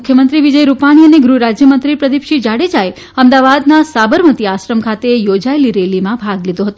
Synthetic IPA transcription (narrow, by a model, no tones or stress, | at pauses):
ukʰjəmənt̪ɾiʋid͡ʒəjɾupaɽ̃iəneɡɾuɾad͡ʒjəmənt̪ɾipɾəd̪ipʃid͡ʒaɽed͡ʒae | əmd̪aʋad̪nasabəɾmət̪iaʃɾəmkʰat̪ejod͡ʒaeliɾelimãbʱaɡlid̪õɦət̪õ